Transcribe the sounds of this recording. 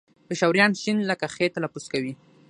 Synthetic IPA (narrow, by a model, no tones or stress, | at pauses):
pəʃawɾjɑnʃinləkaxet̪alapuskawi